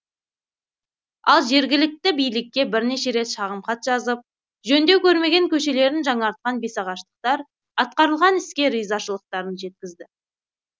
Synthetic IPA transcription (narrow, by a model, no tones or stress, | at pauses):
ɑ̰lˠʒe̞ɾɡʲɪlɪk̚t̪ɪbijlɪkʲːe̞bɪɾne̞ʃe̞ɾe̞t̪ʃɑʁəmqɑt̪ʒɑzəp̚ | ʒɵnd̪e̞wkʲʰɵɾme̞ɡʲeŋkʲʰɵʃe̞le̞ɾɪnʒɑɴɑɾt̪̚qɑnbe̞sɑʁɑʃt̪ə̥q̚t̪ɑɾ | ɑt̪̚qɑɾəlˠʁɑnɪskʲe̞ɾijzɑʃəlˠəq̚t̪ɑɾənʒe̞t̪̚kʲɪzd̪ɪ